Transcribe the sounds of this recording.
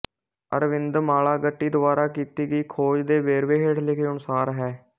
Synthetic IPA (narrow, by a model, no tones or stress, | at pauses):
ə̰ɾʋɪnd̪maːlaːɡəʈːiːd̪ʊʋaːɾaːkiːt̪iːɡiːkʰoːd͡ʒd̪eːʋeːɾʋeːɦeːʈlɪkʰeːʊnsaːɾɦɛː